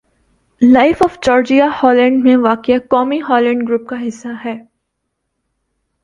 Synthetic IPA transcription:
laɪfɔːfd͡ʒɔːɾd͡ʒiahɔːlɛ̃ɳɖmẽʋaːkjakɔːmiɦɔːlɛ̃ɳɖɡɾuːp̚kaɦɪsːaɦɛː

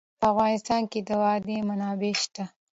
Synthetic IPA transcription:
pəafɣɑnɪst̪ɑnked̪əwɑd̪emanɑbeʃt̪a

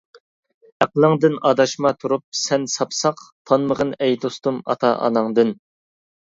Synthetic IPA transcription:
æqlˠəŋd̪ɨnɑd̪ɑʃmɑt̪ʰuɾup̚sɛnsɑpʰsɑqt̪ʰɑnməʁənɛjd̪ost̪umɑ̰t̪ʰɑʔɑ̰nɑŋd̪ɨn

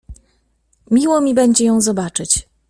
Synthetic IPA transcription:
mʲiwɔmʲibɛɲd͡ʑɛjɔ̃w̃zɔbat͡ʂɘt͡ɕ

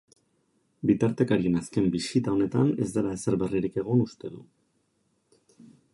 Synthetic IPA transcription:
bit̪aɾt̪e̞kaɾienaske̞mbisit̪ao̞ne̞t̪ane̞zd̪elaeseɾβe̞riɾike̞ɣ̞onust̪e̞ðu

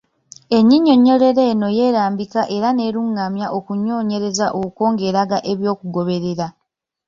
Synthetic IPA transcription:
e̞ɲiɲːo̞ɲo̞le̞ɾe̞ːno̞je̞ːɾaːmbikaʔe̞ɾane̞ːɾuŋːamjaʔokuɲːo̞ːɲe̞ɾe̞zaʔouko̞ːŋɡe̞ːɾaɡaʔeβjo̞ːkuɡo̞βe̞ɾeɾa

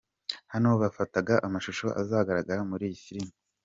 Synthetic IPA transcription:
hanooβafataɡaʔamaʃuʃo̞ʔa̰zaːɡaɾaɡaɾamuɾiːjifiɾimi

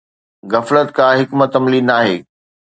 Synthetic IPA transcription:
ɣɐflət̪̚kʰãːɦɪkmət̪ɐmliːnaːɦeː

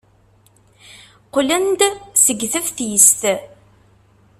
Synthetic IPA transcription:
qʊlænd̪səɡθəvθjəst̪

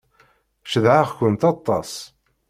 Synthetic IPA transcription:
ʃəðʕaʁkʷənt̪ɑt̪ˤːɑs

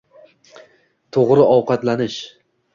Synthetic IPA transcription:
t̪ʰoʁɾɪɒwqɑt̪lanɪʃ

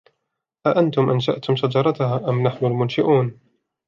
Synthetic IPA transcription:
ʔaʔant̪ʊmʔanʃaʔt̪ʊmsɑd̪ɑɾˤɑt̪ʊhaːʔamnaħnʊlmʊnʃɪʔuːn

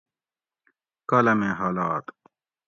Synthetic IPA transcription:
kɐlɐmẽːɦaːlaːt̪

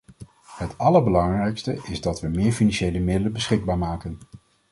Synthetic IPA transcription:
ɦətɑləɹbəlɑŋrɛjkstəʔɪzdɑtʋəmɪːɹfinɑnʃejləmɪdələbəsχɪɡ̚baːɹmaːkən

